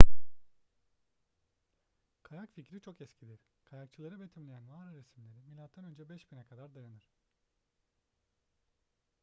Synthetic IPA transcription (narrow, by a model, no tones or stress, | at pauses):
kʰajakficɾit͡ʃʰo̞kɛscʰid̪ʲiɾ̥ | kʰajak̚t͡ʃʰɯlˠaɾɯbet̪ʰimlʲejænvaːɾɯɾesmlʲe̞ɾimilʲat̪ʰːanø̞nd͡ʒɛbɛʃbinɛkʰad̪aɾd̪ajanɯɾ̥